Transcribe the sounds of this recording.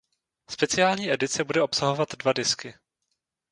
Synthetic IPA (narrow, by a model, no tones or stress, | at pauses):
spɛt͡sɪaːlɲiːʔɛdɪt͡sɛbudɛʔopsaɦo̞vat̪dvadɪskɪ